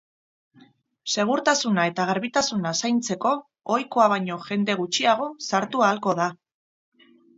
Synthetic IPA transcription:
se̞ɣ̞uɾt̪asunae̞t̪aɣ̞aɾβit̪asunasajnt͡se̞ko̞ː | jko̞aβaɲo̞ʝe̞nd̪e̞ɣ̞ut͡ʃiaɣ̞o̞saɾt̪uaːlko̞ða

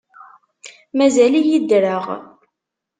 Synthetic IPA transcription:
mæzælijid̪ɾəʁ

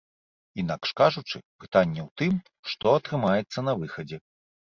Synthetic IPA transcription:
in̪akʂkaʐut͡ʂɨpɨt̪anʲːɛwt̪ɨm | ʂt̪ɔɐt̪ɾɨmajɛt̪sːɐnɐvɨxɐd͡zʲɛ

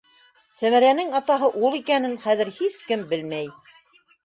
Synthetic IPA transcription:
sæmæɾænɘŋɑt̪ɑɦɤʔulˠikænɘnχæðɘ̆ɾhiskɘmbɘlmæj

